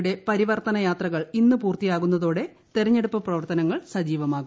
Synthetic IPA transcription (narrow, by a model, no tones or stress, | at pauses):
ɽe̞pɐɾiʋɐrt̪ɐnɐjaːt̪rɐɣɐɭinːɨpuːrt̪ijaːɣunːɐðo̞ːɽe̞ | t̪erɐɲːe̞ɽupːɐprɐʋɐrt̪ɐnɐŋːɐɭsɐd͡ʑiːʋɐmaːɣu